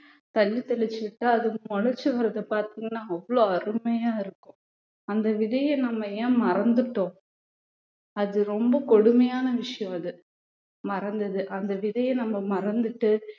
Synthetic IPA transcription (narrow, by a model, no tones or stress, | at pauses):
t̪ɐlːit̪ɐɭɪt͡ʃːɯɪʈːɯɐðɯmɔɻɐɾt͡ʃːɯʋɐɾɐðɯpaːɾt̪iːŋɡɐnːaːɐʋːɐɭoːɐɾɯmɐjaːɪɾɯkːʊ̃ | ɐnd̪ɐʋɪðɐjɐ̃nɐmːɐjẽːmɐɾɐnd̪ɯʈːõː | ɐðɯɾɔmbɐkɔɽɯmɐjaːnɐʋɪʂɐjɔ̃ɐðɯ | mɐɾɐnd̪ɐðɯʔɐnd̪ɐʋɪðɐjɐ̃nɐmːɐmɐɾɐnd̪ɯʈːɯ